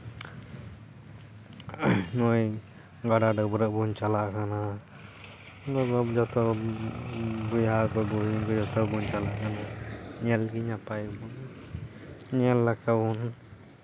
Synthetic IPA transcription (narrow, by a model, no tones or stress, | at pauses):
nɔj | ɡaɖaɖɔbɔɾəʔbuɲt͡ʃalaʔkana | ɡɔɡɔd͡ʒɔt̪ʰɔ | bujakɔbuɡɔd͡ʒɔt̪ʰɔbuɲt͡ʃalaʔkanaɲɛlɡiɲapajbun | ɲɛlːakabun